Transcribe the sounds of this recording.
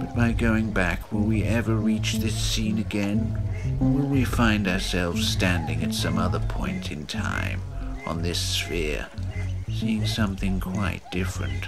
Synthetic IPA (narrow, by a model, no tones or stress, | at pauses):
b̥ʌt̚b̥aɪɡoʊɪ̃ŋbækwɪlˠwiɛvə˞ɹit͡ʃðɪsĩnɨɡɛ̃nwɪlˠwifãɪ̃ndaə˞sɛlˠvz̥stæ̃ndɪ̰̃ŋɨtsʌ̃mʌðə˞pʰɔ̰̃ɪ̃ntʰɨ̃ntʰã̰ɪ̃mʔə̰̃nðɪsfɛ̰ɹ | siɪ̃ŋsʌ̃mθɪ̃ŋkʰw̥aɪt̚d̥ɪfɹɨ̰̃nt